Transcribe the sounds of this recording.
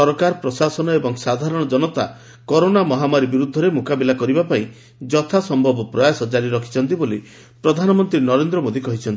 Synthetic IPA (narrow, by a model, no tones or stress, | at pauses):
ɔɾkaɾpɾɔsasɔnɔebɔŋsad̪ʱaɾɔɽ̃ɔd͡ʒɔnɔt̪a̰ | kɔɾonamɔɦamaɾibiɾud̪ʱːɔɾemukabilakɔɾibapaĩ | d͡ʒɔt̪ʰasɔmbʱɔbɔpɾɔjasɔd͡ʒaɾiɾɔkʰi̥t͡ʃʰɔnt̪̬iboli | pɾɔd̪ʱanɔmɔnt̪ɾinɔɾend̪ɾɔmod̪ʱikɔɦit͡ʃʰɔnt̪i